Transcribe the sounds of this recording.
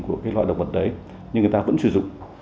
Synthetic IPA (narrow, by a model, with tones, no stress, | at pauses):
ŋku˧˩əkaː˨˦jlwa̰ː˧˨jɗə˧˨wŋ͡mvə˨˩t̚ɗə˨˦j | ɲɨ˧ŋː˨˩t̪aː˧və̰˧˥nsɨ˧˩zʊ̰˧˨ŋ͡m